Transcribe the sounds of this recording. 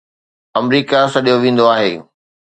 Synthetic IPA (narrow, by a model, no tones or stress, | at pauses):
ɐmɾiːkasɐɗijoʋẽːn̆d̪oaːɦeː